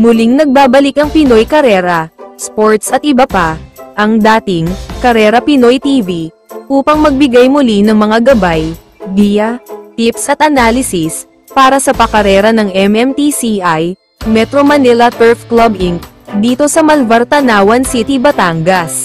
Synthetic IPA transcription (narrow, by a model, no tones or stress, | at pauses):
mʊliŋnɐɡ̚baːbɐlɪkɐŋpɪno̞jkɐɾɛːɾɐspoɹt̪sɐt̪̚ʔɪbapɐʔɐŋd̪aːt̪ɪŋkɐɾɛːɾɐpɪno̞jt̪iːvi | ʔuːpɐŋmɐɡ̚bɪɡajmʊlinɐŋmɐŋaɡɐbaj | d̪ijɐt̪ipsʔɐt̪̚ʔɐnaːlɪsɪs | paːɾɐsɐpɐkɐɾɛːɾɐnɐŋɛmɛmt̪isiʔaj | mɛt̪ɾomɐnɛlɐt̪ɛɹfklɐbʔɪŋk | d̪iːt̪o̞sɐmɐlvɐɾt̪ɐnaːwɐnsit̪ibɐt̪aŋɡɐs